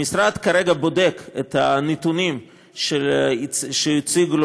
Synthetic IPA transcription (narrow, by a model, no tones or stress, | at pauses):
isɾad̪kaɾeɡabod̪eket̪hanet̪unim | ʃelʃeit͡siɡl